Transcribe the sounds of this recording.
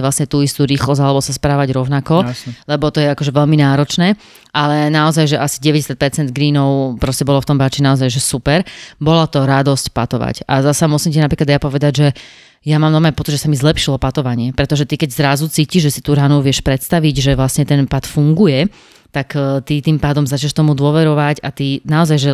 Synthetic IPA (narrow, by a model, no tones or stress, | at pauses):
ʋlasɲɛt̪uːist̪uːɾiːxlɔzalɛbɔsaspɾaːʋaɟɾɔʊnakɔlɛbɔt̪ɔjɛakɔʒɛʋɛʎminaːɾɔt͡ʃnɛː | ʔalɛnaɔzajʒɛʔasi̥ɟɛʋɛɟɛsjat̪̚pɛɾt͡sɛnd̪̚ɡɾiːnɔʊpɾɔscɛbɔlɔft̪ɔmbat͡ʃinaɔzajʒɛsupɛɾbɔlat̪ɔɾad̪ɔscpat̪ɔʋa̰ca̰zasamusimcinapɾiːklad̪japɔʋɛd̪aɟʒɛ | jamaːmnɔmajpɔt͡sid̪ʒɛsamizlɛpʃilɔpat̪ɔʋaɲɪɛpɾɛt̪ɔʒɛt̪ikɛɟzɾazut͡siːciʒʒɛsit̪uːɾanuʋɪɛʃpɾɛt̪st̪aʋiɟʒɛʋlasɲɛt̪ɛnpat̪fuŋɡujɛ | t̪akt̪it̪iːmpaːd̪ɔmzat͡ʃɲɛʃt̪ɔmud̪ʊɔʋɛɾɔʋacat̪inaɔzajʒɛ